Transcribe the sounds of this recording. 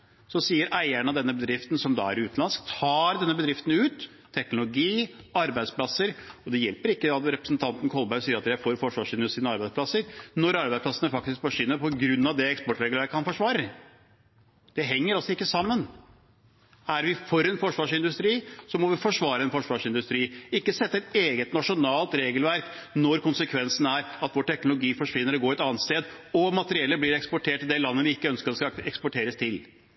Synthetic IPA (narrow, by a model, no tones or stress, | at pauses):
sɔsiːəɾʔæɪæɳɑd̪ɛnːəbəd̪ɾɪft̪n̩sɔmd̪ɑ̰ːæ̰ɾɪʉːt̪nɑnsk̚t̪ʰɑːɾd̪ɛnːəbəd̪ɾɪft̪ənʉːt̪ʰː | ɛknʊlʊɡiːɑɾbæɪd̪spʰlɑsəɾɔd̪ɛjɛlpəɾɪkːəɑt̪ɾɛpɾəsnt̪ʰɑnt̪ən̩kʰɔlbæɾsiːəɾɑt̪jæɪfoːɾfɔʂʋɑːʂɪnd̪ʉst̪ɾiːnɑɾbæɪspʰlɑsəɾnɔɾɑɾbæɪsplɑsənəfɑk̚t̪ɪsk̚bɔʂʏnːəpʰɔɡɾʉnːɑʋd̪ɛɛkspɔʈːɾɛɡləækʰɑnfɔʂʋɑːɾə | d̪̥ɛɦɛŋːəɾɑlsɔɪkːəsɑmːən | æɾʋɪfɔɾɛnfɔʂʋɑːʂɪnd̪ʉst̪ɾiːsɔmɔʋɪfɔʂʋɑːɾəɛnfɔʂʋɑːʂɪnd̪ʉst̪ɾiːɪkːəsɛt̪ːəɛt̪eːɡət̪nɑʂʊnɑːlt̪ɾeːɡəlʋæɾknɔɾkʰʊnsəkʰʋɛnsn̩æɾɑt̪ʋɔːʈʰɛknʊlʊɡiːfɔʂʋɪnːəɾɔɡoːɛt̪ɑːnt̪st̪eːd̪ɔmɑt̪əɾɪɛlːəblɪɾɛkspɔʈʰeːʈːɪld̪ɛlɑnːəʋɪɪkːəœnskəɾd̪ɛskɑɛkspɔʈʰeːɾəst̪ʰɪl